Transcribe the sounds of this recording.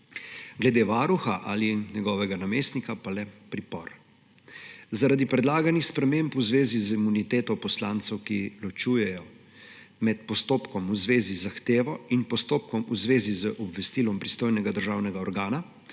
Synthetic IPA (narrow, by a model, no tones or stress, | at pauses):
ɡlɛd̪eːʋaːɾuxaʔaliɲɛɡɔːʋɛɡanameːst̪nikapalɛpɾipɔ̰ɾ | zaɾad̪ipɾɛd̪laːɡanixspɾɛmeːmpuzʋeːzizimunit̪eːt̪ɔpɔslaːnt̪sɛwkilɔt͡ʃuːjɛjɔ | mɛt̪pɔst̪oːpkɔmuzʋeːzizaxt̪eːʋɔinpɔst̪oːp̚kɔmuzʋeːzizəʔɔbʋɛst̪iːlɔmpɾist̪oːjnɛɡad̪əɾʒawnɛɡaɔɾɡaːna